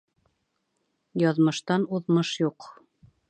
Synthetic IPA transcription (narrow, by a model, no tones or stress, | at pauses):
jɑðmɤ̆ʃt̪ɑnuðmɤʃjuq